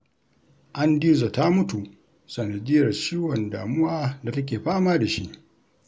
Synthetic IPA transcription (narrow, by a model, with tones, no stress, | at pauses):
ʔa˦ndiː˦za˨ta˦mʊ˦tu˨ | sɐ˨nɐ˨dɪ˦jɐ˨rt͡ʃiː˦wɔ˨ndaː˨mʊ˦waː˦da˨tɐ˦k̬ʲeː˨ɸaː˦maː˦da˨ʃi˦ʔ